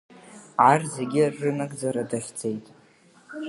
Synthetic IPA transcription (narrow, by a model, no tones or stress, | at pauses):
ʕarzeɡʲɪrːɨnakʼd͡zaɾadaχʲd͡ze̞jtʼ